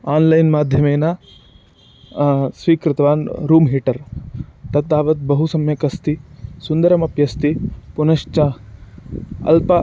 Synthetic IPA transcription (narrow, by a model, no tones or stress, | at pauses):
aːnlɐjnmaːd̪ʱjɐmeːnaː | sʋiːkɾɪt̪ɐʋaːnɾuːmɦiːʈɐɾt̪ɐt̪ːaːʋɐt̪̚bɐɦusɐmjɐkɐst̪isund̪ɐɾɐmɐpjɐst̪ipunɐʂt͡ʃɐ | ɐ̰lpɐ